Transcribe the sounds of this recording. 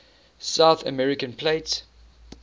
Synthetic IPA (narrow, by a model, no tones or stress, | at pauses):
saʊθə̰mɛɹɪkə̃npʰleɪts